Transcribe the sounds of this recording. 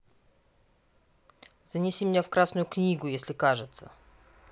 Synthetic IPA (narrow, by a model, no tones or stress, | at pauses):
zənʲɪsʲimʲnʲefkɾasnʊjʊknʲiɡʊjesʲlʲɪkaʐɨt̪sə̰